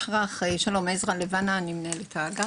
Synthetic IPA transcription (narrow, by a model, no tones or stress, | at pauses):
ʁaχeʃalomezʁalevananimnelet̪ʰaːɡa